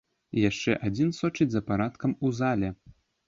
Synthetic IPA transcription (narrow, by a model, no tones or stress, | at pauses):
jaʂt͡ʂɛʔad͡zʲinsɔt͡ʂɨd͡zʲzɐpaɾat̪kɐmuzalʲɛ